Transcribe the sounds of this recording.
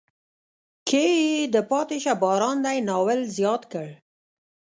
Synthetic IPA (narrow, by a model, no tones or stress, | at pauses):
kʰed̪əpɑt̪eʃabɑɾɑnd̪ajnɑwəlzjɑt̪kəɽ